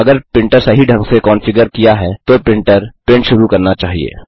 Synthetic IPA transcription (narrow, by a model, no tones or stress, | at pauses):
ɐɡəɾpɪ̃ɳʈəɾsɐɦiɖʱɐ̃ŋɡsekɔːnfɪɡəɾkijaɦɛt̪opɪ̃ɳʈəɾpɪ̃ɳʈʃʊɾukɐɾnat͡ʃaːɦiḛː